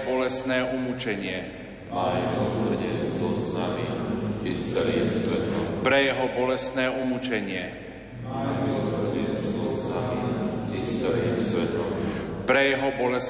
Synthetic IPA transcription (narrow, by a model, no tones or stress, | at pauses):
bɔlɛsnɛːumut͡ʃɛɲɪɛ | mamilɔsr̩ɟɛnst̪ʋɔsnamiiɛlisʋɛt̪ɔpɾɛjɛɦɔbɔlɛsnɛːumut͡ʃɛɲɪɛ | mamilɔsr̩ɟɛnst̪ʋɔsnamiit͡sɛɾisʋɛt̪ɔmpɾɛjɛɦɔbɔlɛs